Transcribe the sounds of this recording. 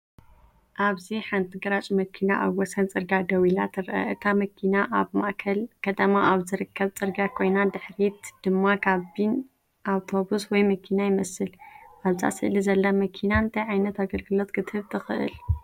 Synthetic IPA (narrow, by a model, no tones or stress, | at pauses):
ʔaβziħant̪ʰiɡɾat͡ʃʼimɐkʰinaʔa̰βwɔsɐnt͡sʼɨɾɡad̪ɐwila̰t̪ʰɨɾʔɐ̰ʔɨt̪ʰamɐkʰinaʔaβma̰ʔkʰɐlkʰɐt̪ʰɐmaʔaβzɨɾɨkʰːɐβt͡sʼɨɾɡakʰo̞jnad̪ɨħɾit̪d̪̥ɨmːakʰaβbin | ʔawt̪ʰo̞buswɔjmɐkʰinajɪmɐsɨlʔaβza̰sɨʔlizɐlːɐmɐkʰinaɨnt̪ʰɐjʕajnɐt̪aɡɐlɡɨlo̞t̪kʰɨt̪ʰɨβt̪ʰɨxɨʔɨ̰l